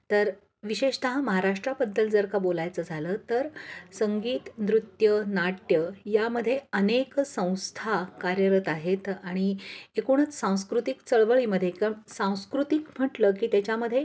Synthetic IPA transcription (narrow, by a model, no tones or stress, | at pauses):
t̪əɾ | ʋiɕeʂt̪əɦãməɦaɾaʂʈɾabəd̪ːəld͡zəɾkabolajt͡səd͡zʱalət̪əɾsəŋɡiːt̪nd̪ɾut̪jənaʈjəjaməd̪ʱːjeəneksə̃w̃st̪ʰakaɾjəɾət̪aɦet̪aɽ̃iekuɽ̃ət͡ssãw̃skɾut̪ikt͡səɭʋəɭiməd̪ʱjekəsãw̃skɾut̪ikm̤əʈləːkiːt̪jat͡ɕaməd̪ʱje